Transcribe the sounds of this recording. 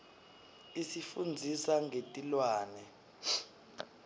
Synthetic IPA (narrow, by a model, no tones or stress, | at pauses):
isifund͡zʱisaŋʱetʼilwaːnɛ